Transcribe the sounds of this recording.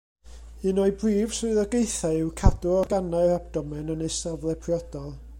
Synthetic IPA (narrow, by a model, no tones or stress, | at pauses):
ɨnɔɨbriːv̥srʊɨðɔɡejθaɪwkʰadʊɔɡanaɨɾabd̥ɔmɛnɔnejsavlˠɛpʰrjɔd̥ɔlˠ